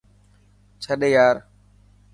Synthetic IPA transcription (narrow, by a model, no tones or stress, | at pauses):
t͡ʃʰaɗejaːɾ